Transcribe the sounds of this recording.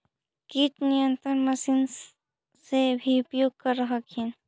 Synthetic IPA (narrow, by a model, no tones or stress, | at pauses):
kiʈ̪nijə̃nt̪ɾəɾmɐsin | sebʱiʊpjoːɡ̚kɐɾːəɦəkɦin